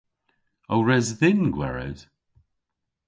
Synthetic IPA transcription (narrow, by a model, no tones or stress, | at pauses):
owɹɛzðɪnɡwɛ̰ɹə̰d̥